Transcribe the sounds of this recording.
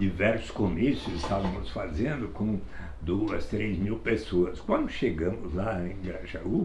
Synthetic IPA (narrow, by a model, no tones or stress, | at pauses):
d͡ʒivɛɾsʊ̥skomisʊzɪst̪avɐ̃mʊsfazẽnd̪ʊkõ | d̪oɐst̪ɾezmiwpesoɐskwɐ̃nd̪ʊʃeɡɐ̃mʊzlaẽj̃ɡɾaʒau